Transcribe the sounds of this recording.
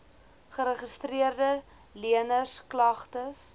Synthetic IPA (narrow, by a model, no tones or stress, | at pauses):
χəɾəχəstriərdə | liənəsklɐχtəs